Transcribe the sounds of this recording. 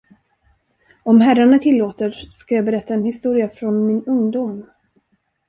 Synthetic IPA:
ɔmɦæraɳat̪ʰɪlːoːt̪əɾskajɑːbɛɾɛt̪ːaɛnhɪst̪uːɾɪafɾɔnmɪnɵŋd̪ʊm

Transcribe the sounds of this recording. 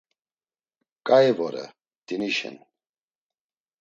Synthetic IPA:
kʼajvɔɾɛ̰ | d̪̥iniʃɛ̰n

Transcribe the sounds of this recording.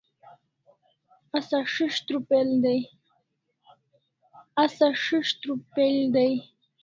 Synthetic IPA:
asaʂiʂt̪ɾupeld̪aj | asaʂiʂt̪ɾupeld̪aj

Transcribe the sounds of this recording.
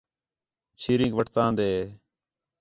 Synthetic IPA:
t͡ʃʰiːɾĩːŋɡʋəʈʰt̪ãːnd̪eː

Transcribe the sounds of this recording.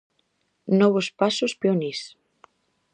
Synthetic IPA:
nɔβospasospeonis

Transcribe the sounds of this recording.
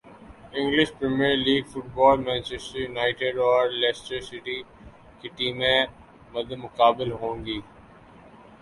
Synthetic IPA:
ɪ̃ŋɡlɪʃpɾemiəɾliːɡfʊʈbɔːlmɛ̃ːnt͡ʃɛsʈɾijʊnaːɪʈeɖɔːɾlɛsʈəɾsɪʈi | kiʈiːmẽ | mɐd̪ʱəmʊkaːbɪlɦõːŋɡiː

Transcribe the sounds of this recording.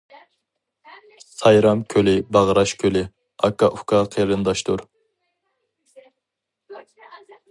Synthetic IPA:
sɑjɾɑmkʲʰølɪbɑʁɾɑʃkʲʰølɪ | ɑkːɑʔukɑqʰəɾɨnd̪ɑʃt̪uɾ

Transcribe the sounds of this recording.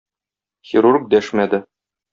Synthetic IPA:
xʲiɾurk̚d̪æʃmæd̪ɘ

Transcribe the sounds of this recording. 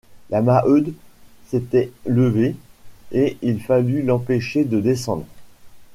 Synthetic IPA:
lamaʔød̪set̪ɛləveeilfalylɑ̃peʃed̪əd̪esɑ̃d̪ʁ

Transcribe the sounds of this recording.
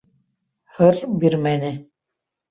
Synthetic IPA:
hɤɾbiɾmænɘ

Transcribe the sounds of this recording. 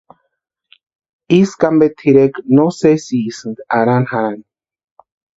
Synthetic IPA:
iskambet̪ʰiɾeknosesiːsɨnɡ̪aɾanhaɾan

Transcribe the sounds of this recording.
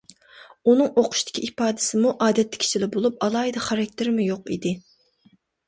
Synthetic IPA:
unɨŋoqʰʊ̥ʃt̪ʰɪ̥kʲiipɑːd̪ɨ̥sɪmuʔɑːd̪ɛt̪ːɪ̥kʲʰi̥t͡ʃʰilɪbolˠup̚ɑlˠɑːɦid̪ɑχɑɾɛk̚ʲt̪ʰɪɾmujoqḭd̪ɪ

